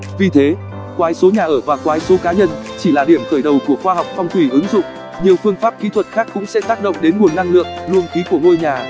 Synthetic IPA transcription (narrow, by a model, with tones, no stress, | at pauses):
vi˨˩t̪ʰe˨˦ | kwaː˨˦jso˨˦ɲaː˨˩ʔəː˧˩vaː˨˩kwaː˨˦jso˨˦kaː˨˦ɲə˧nt͡ɕi˧˩laː˨˩ɗi˧˩əmxəː˧˩jɗə˨˩wku˧˩əxwaː˧hɦa˨˩wk͡p̚fɔ˧wŋ͡mt̪ʰwi˧˩ʔɨ˨˦ŋzʊ̰˧˨ŋ͡m | ɲi˨˩əwfɨ˧əŋfaː˦˥p̚kḭ˧˥t̪ʰwə˨˩t̚xaː˦˥kːʊ̰˧˥ŋ͡msɛ̰˧˥t̪aː˦˥k̚ɗə̰˧˨wŋ͡mɗe˨˦nŋu˨˩ənːa˧ŋlɨ̰˧˨əŋ̚lu˧əŋt̪ʰi˨˦ku˧˩əŋo˧jɲaː˨˩